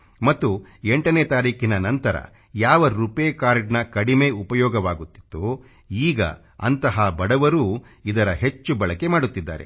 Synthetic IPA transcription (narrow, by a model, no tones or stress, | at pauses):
mɐt̪ːueɳʈɐneːt̪aːɾiːkinɐnɐnt̪ɐɾɐ̰ | jaːʋɐɾupeːkaːɾɖnɐkɐɽime̞upɐjɔːɡɐʋaːɡut̪ːi̥t̪ːu | iːɡɐ̰ | ɐ̰nt̪ɐɦaːbɐɽɐʋɐɾuː | id̪ɐɾɐɦe̞t͡ʃːubɐɭɐke̞maːɽut̪ːid̪ːa̰ːɾḛ